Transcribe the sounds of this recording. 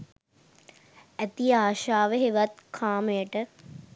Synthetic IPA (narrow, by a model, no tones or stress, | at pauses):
æt̪iaːʃaːʋəɦeʋat̪kʰaːməjəʈə